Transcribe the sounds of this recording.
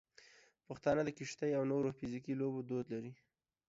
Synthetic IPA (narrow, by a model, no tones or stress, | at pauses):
pəxt̪ɑnəd̪əkɪʃt̪əjawnoɾofɪzikilobod̪od̪laɾi